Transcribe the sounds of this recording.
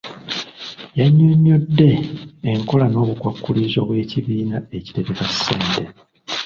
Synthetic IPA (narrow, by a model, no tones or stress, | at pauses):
jaɲːoɲːodːe̞ːŋko̞lano̞ːβukwakːulizo̞ːβwe̞ːciβiːnae̞ci̥te̞βekasːeːnte